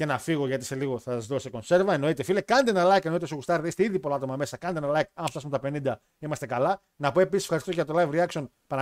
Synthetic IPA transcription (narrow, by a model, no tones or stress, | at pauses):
ce̞nɐfiɣo̞ʝɐt̪i̥se̞liɣo̞θɐsɐzðoseko̞nse̞ɾvɐeno̞it̪efilekɐnt̪enɐlɐjkeno̞it̪esoɣust̪ɐɾðist̪eiðipolɐt̪o̞mɐme̞sɐkɐnt̪enɐlɐjikɐnft̪ɐsumet̪ɐpe̞nind̪ɐ | imɐst̪e̞kɐlɐ | nɐpoe̞pisisfxɐɾist̪oɐt̪o̞lɐjvɾiɐkso̞n | pɐnɐ